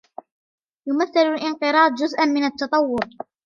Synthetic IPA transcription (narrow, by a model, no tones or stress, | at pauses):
jʊmaθːalʊlʔɪnqɨɾˤɑːd̪ˤd͡ʒʊzʔanmɪnat̪ːɑt̪ˤɑwːʊɾ